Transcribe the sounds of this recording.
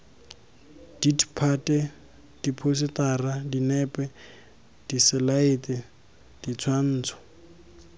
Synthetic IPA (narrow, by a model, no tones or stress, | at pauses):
d̥idipʰatʼɛ | d̥ipʰos̬ɪtaːradinɛpʼɛ | d̥isɪlaetɛ | d̥it͡sʰwan̩ːt͡sʰɔ̥